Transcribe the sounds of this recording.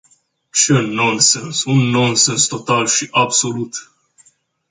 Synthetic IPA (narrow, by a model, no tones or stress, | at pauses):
t͡ʃenõnsensunːõnsenst̪ot̪alʃiʔabso̞lut̪